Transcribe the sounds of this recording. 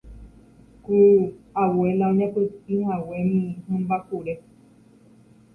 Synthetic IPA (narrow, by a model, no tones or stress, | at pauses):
kuawelaõɲãpɨt̪̚ihawemĩɦẽmbapuɾe